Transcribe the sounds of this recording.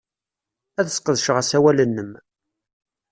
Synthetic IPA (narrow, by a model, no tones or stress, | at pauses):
æðəsqəðʃʁəsæwælənːəm